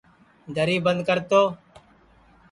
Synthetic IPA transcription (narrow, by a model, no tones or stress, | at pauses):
d̪ʱəɾiːbənd̪̚kəɾt̪oː